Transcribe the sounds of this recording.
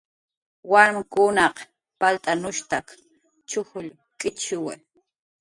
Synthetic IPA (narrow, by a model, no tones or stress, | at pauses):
waɾmkʊnɑq | palt̪ʼanʊʃt̪ak | t͡ʃʊhʊʎ | kʼɪt͡ʃɪwa̰j